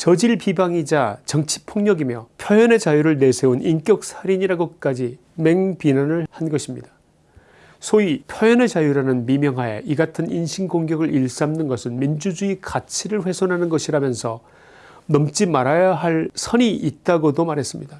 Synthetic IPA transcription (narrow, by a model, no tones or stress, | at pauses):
t͡ɕʌd͡ʑiɭpibaŋid͡ʑat͡ɕʌŋt͡ɕʰi̥pʰoŋɲʌɡimjʌpʰjʌjʌne̞t͡ɕajuɾɯɭne̞sʰe̞unʔink͈jʌk̚sʰaɾiɲiɾaɡok͈ad͡ʑi | me̞ŋpinanɯɭhanɡʌɕʰimɲidḁ | sʰoipʰjʌjʌne̞t͡ɕajuɾanɯnmimjʌŋɦaje̞̰ʔiɡatʰɯninɕʰiŋɡoŋɡjʌɡɯɭʔiɭs͈amnɯnɡʌsʰɯnmind͡ʑud͡ʑuikat͡ɕʰiɾɯɭɸwe̞sʰʌnɦanɯnɡʌɕʰiɾamjʌnsʰʌ | nʌmt͡ɕ͈imaɾajaɦaɭsʰʌɲiʔit̚t͈aɡodomaɾɦe̞s͈ɯmɲida